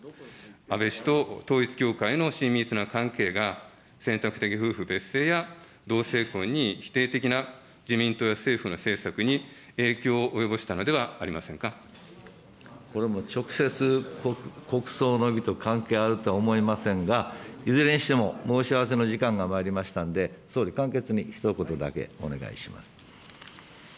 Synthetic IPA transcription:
abe̞ɕi̥t̪o̞t̪o̞ːit͡sɨ̥kʲo̞ːkaino̞ɕĩmʲːit͡sɨnakãŋke̞ːɡa | sẽ̞nt̪akɯ̟t̪e̞k̬ʲiɸɯ̟ːɸɯ̟be̞se̞ːja | d̪o̞ːse̞ːkõ̞ɲ̟ːiçi̥t̪e̞ːt̪e̞kʲina | d͡ʑimʲĩnt̪o̞ːjase̞ːɸɯ̟no̞se̞ːsakɯ̟ɲ̟i | e̞ːkʲo̞ːʔːjo̞bo̞ɕi̥t̪ano̞d̪e̞βaːɾʲimasẽ̞ŋka | ko̞ɾe̞mo̞t͡ɕo̞kɯ̟̥se̞t͡sɨ | ko̞kɯ̟̥so̞ːno̞ɡʲit̪o̞kãŋke̞ːaɾɯ̟t̪o̞aomo̞imasẽ̞ŋɡaizɨɾẽ̞ɰ̃ɕi̥t̪e̞mo̞mo̞ːɕiaβ̞ase̞no̞ʑikãŋɡamaːɾʲimaɕi̥t̪ãnd̪e̞so̞ːɾʲikãŋke̞t͡sɨɲ̟içi̥t̪oko̞t̪o̞d̪a̰ke̞̰o̞̰ne̞ɡa̰ḭɕima̰sɨ̥

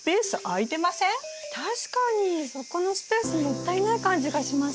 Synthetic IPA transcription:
pe̞ːsɨʔait̪e̞masẽ̞ŋt̪ʰaɕi̥kaɲ̟iso̞ko̞no̞sɨ̥pe̞ːsɨmot̪ːainaikãɲ̟d͡ʑiɡaɕima

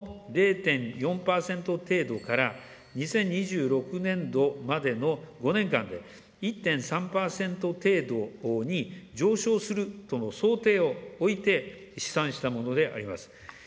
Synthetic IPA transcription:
ɾe̞ːt̪ẽ̞ɰjõ̞mpaːsẽ̞nt̪o̞t̪e̞ːd̪o̞kaɾa | ɲ̟isẽ̞ɲ̟ːiʑɨːɾo̞kɯ̟nẽ̞nd̪o̞mad̪e̞no̞ɡo̞nẽ̞ŋkã̰nd̪e̞̰ | it̪ːẽ̞ɰ̃sãmpaːsẽ̞nt̪o̞t̪e̞ːd̪o̞ɲ̟id͡ʑo̞ːɕo̞ːsɨɾɯ̟t̪o̞no̞so̞ːt̪e̞ːo̞ːit̪e̞ | ɕi̥sãɰ̃ɕi̥t̪amo̞no̞d̪e̞ʔa̰ɾʲima̰sɨ̥

